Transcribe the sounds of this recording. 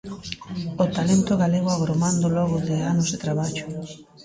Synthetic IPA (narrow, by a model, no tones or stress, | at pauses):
ot̪alent̪oɣaleɣ̞oaɣɾomand̪oloɣ̞oðeanozðet̪ɾaβaʎo